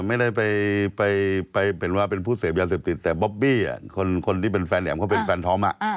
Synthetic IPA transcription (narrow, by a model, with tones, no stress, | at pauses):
ma˥˩jda˥˩jpa˧jpa˧jpa˧jpʰːnwaː˥˩p̬e˧npʰuː˥˩seː˩˦m̚jaː˧s̬eː˨˩p̚t̪i˨˩t̪ːɛː˨˩bɔ˦˥p̚biː˥˩a̰˨˩kʰo˧nkʰo˧nt̪ʰiː˥˩pe˧nfɛː˧nlɛ̰ː˩˦mkʰɔ˥˩pe˧nfɛː˧nt̪ʰɔː˦˥mʔa̰˨˩ʔ